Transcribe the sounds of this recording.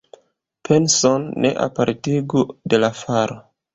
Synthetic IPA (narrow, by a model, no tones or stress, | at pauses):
pʰe̞nsonːḛʔa̰paɾtiɡude̞lafaɾo